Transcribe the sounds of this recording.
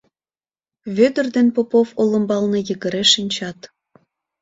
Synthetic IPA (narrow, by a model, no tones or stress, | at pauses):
βød̪ərd̪enpopofolə̆mbɑlnɤ̆jəɣəɾeʃinʲt͡ɕɑt̪